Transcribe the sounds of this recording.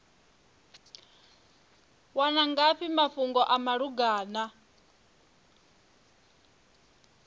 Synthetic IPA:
wanaŋɡaɸimaɸuŋɡɔʔamaɺuɡaːna

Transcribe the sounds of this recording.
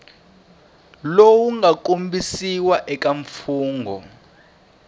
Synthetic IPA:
lowuŋɡak̬ombisiwaʔɛk̬ʼaɱfuːŋɡʱɔ̰

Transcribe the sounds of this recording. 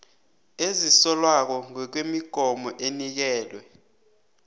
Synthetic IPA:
ezisɔlwak̬ɔŋɔk̬wemiɡ̥ʱɔmɔʔenik̬ɛːlwɛ

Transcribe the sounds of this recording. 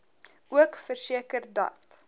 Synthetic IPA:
uəkfərsiəkərdɐ̰t

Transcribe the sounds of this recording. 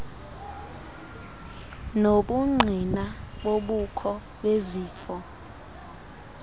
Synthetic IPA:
noɓuŋ͡ǃʱinaɓoɓukʰɔ | ɓeziːfɔ

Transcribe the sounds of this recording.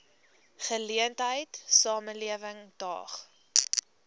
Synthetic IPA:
χəliəntɦəjtsɑːmənliəvəŋd̥ɑ̰ːχ

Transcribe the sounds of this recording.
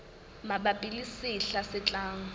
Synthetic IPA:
maɓapʼilisiɬasɪt͡ɬʼaːŋ̩

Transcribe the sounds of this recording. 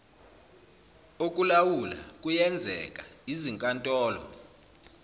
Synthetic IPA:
ok̬ʼulawula̰k̬ʼujɛnd͡zʱɛ̰k̬ʼaiziŋkʼantʼɔːlɔ̰

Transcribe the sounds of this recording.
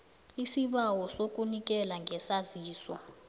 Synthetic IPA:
isiɓawɔsok̬ʼunik̬ʼɛlaŋʱɛsaziːsɔ̰

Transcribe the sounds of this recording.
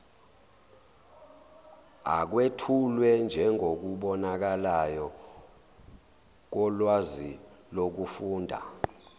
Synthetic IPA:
a̰k̬wetʰulwɛnd͡ʒʱɛŋʱok̬uɓɔnak̬alajɔ | k̬ɔlwazilok̬ufuːndʱa̰

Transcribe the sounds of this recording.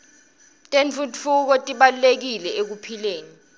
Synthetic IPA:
tʼenfutfuk̬ɔtʼiɓalulek̬ilɛek̬upʰileːni

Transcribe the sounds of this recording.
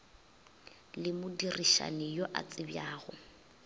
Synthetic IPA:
lɪmʊdiriʃa̰nɪjoʔa̰t͡sʼɪbjaːɣʊ

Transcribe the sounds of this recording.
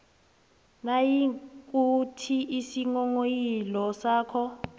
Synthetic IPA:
najikʼutʰiʔisiŋɔŋojilɔsaːkʰɔ

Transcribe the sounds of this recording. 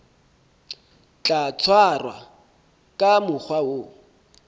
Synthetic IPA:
t͡ɬʼat͡sʰwarwa̰ | kʼamʊk͡xʰwao

